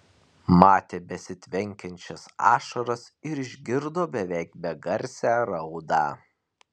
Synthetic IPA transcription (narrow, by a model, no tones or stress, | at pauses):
mɑːt̪ʲeːbʲɛsʲɪt̪ʲʋʲɛŋʲkʲɛnʲt͡ʃʲɛsɑ̰ːʃɐɾɐsɪɾɪʒʲɡʲɪɾd̪oːbʲɛʋʲɛˑɪk̚bʲɛɡɐɾʲsʲæːɾɐʊd̪ɑː